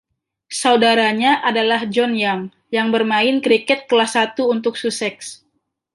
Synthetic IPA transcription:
saudaɾaɲaʔadalahd͡ʒɔnjaŋ | jaŋbərmaɪnkɾikɛt̪̚kəlahsat̪uːnt̪ʊksusɛks

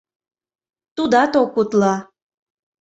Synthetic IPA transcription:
t̪ud̪ɑt̪okut̪lɑ

